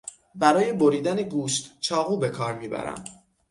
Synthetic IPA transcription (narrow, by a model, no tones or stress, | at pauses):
bæɾɒːje̞bo̞ɾiːd̪æneɡuːʃt̪t͡ʃʰɒːɣuːbe̞kʰɒːɾmiːbæ̰ɾæ̰m